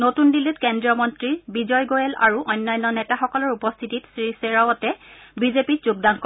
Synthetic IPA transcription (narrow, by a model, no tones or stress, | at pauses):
notundilitkɛndɹiɔmɔntɹiɹbizɔjɡojɛla̰ɹuʔɔjnːajnːɔnɛtaxɔkɔlɔɹupɔst̪ʰititsɹiseɹawɔtɛbizepit̚zuɡ̚dankɔ